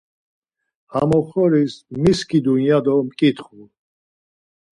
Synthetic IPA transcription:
hamɔχɔɾismiskʰid̪unjad̪ɔmkʼit̪χu

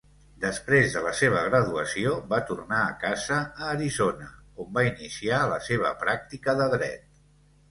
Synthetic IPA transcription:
d̪əspɾezðələseβ̞əɣ̞ɾəðuəsioβat̪urnaːkazəːɾizonəombainisialəseβ̞ə̰pɾak̚t̪ikəðəðɾɛ̰t̪̚

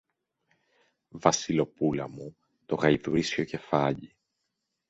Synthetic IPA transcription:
vɐsilo̞pulɐ̰mu | t̪o̞ɣɐiðuɾisço̞ce̞fɐʎi

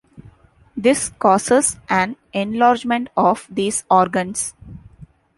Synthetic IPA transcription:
d̪ɪskɔːsəzʔæ̃n | ẽnlɔːɾd͡ʒmẽɳʈɔːfd̪iːzɔːɾɡə̃ns

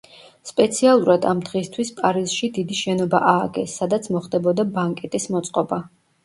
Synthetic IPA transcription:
spʼɛt̪sʰialˠuɾad̪amd̪ʁist̪ʰwispʼaɾizʃid̪id̪iʃɛnɔba̰ʔaːɡɛsːad̪at̪sʰmɔχd̪ɛbɔd̪abaŋkʼɛt̪ʼismɔt̪sʼqʼɔba

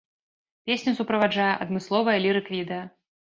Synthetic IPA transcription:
pʲesʲnʲusupɾɐvad͡ʐajɛʔɐd̪mɨslˠɔvɐjɐlʲiɾɨkvʲid̪ɐjɐ

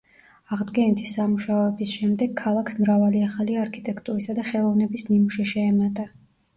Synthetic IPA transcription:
aʁd̪ɡɛnit̪ʰisːamuʃaɔɛbisʃɛmd̪ɛɡ̚kʰːalˠakʰsmɾavaliaχaliaɾkʰit̪ʼɛkʰt̪ʼuɾisad̪aχɛlˠɔvnɛbismimuʃɛʃɛːmat̪ʼa

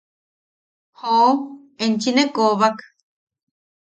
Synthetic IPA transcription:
ho | ent͡ʃinekoβak

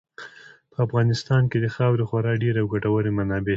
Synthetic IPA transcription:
pəafɣɑnɪst̪ɑnked̪əxawɾexwaɾɑɖeɾawɡaʈawaɾemanɑbe

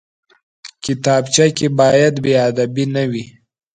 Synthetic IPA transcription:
kɪt̪ɑbt͡ʃakebɑjad̪bead̪abinawi

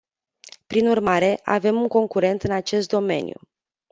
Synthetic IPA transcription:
pɾinurmaɾe̞ʔa̰ve̞muŋko̞ŋkuɾe̞nt̪ɨnat͡ʃe̞s̬t̪̚d̪o̞me̞̰nʲjṵ

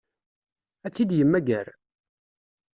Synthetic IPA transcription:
æt͡sːid̪jəmːæɡæɾ

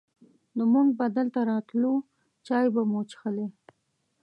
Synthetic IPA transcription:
d̪əmuŋɡ̚bad̪alt̪aɾɑt̪lu | t͡ʃɑjbamot͡ʃxəle

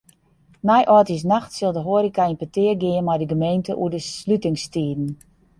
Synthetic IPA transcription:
najʔɔtis̬naxtsɪlˠdəɦoəɾikainpətɪːərɡɪənmɛjdəɡəmejntəʔṵədəslytɪŋstiːdn̩

